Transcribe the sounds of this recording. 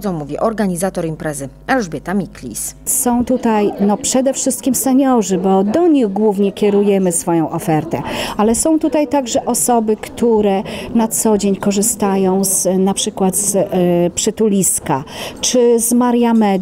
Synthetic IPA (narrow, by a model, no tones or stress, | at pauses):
zɔ̃w̃mːuvʲḭʔɔɾɡaɲizat̪ɔɾimpɾɛzɘ | alʐbʲjɛt̪amʲiklʲḭssɔ̃w̃t̪ut̪ajnɔpʂɛd̪ɛfʂɘst̪̚kʲimsɛɲɔʐɘbɔd̪ɔɲiɣɡwuvɲɛkʲɛɾujɛmɘsfɔjɔ̃w̃ʔɔfɛɾt̪ɛalɛsɔ̃w̃t̪ut̪ajt̪aɡʐɛʔɔsɔbɘkt̪ʰuɾɛnat̪sɔd͡ʑeɲkɔʐɘst̪ajɔ̃w̃znapʂɘkwat̪spʂɘt̪ulʲiskat͡ʂɘzmaɾjamɛ